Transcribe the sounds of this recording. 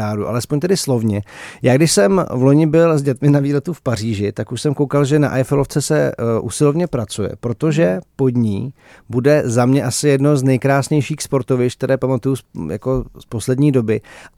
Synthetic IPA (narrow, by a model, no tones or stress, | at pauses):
aːɾuʔa̰lɛspoɲt̪ɛdɪslo̞vɲɛjaːɡdɪʃsɛmvlo̞ɲɪbɪlzɟɛt̪mɪnaviːlɛt̪ufpariːʒɪt̪akuʃsɛmko̞wkalʒɛna̰ʔajfɛlo̞ft͡sɛsɛʔṵsɪlovɲɛpɾat͡sujɛ̰pɾo̞t̪o̞ʒɛpo̞d̪ɲiː | budɛzamɲɛʔasɪjɛdno̞znɛjkɾaːsɲɛjʃiːxspo̞ɾt̪ovɪt͡ʃk̚t̪ɛɾɛːpamat̪ujuja̰ko̞spo̞slɛdɲiːdo̞bɪ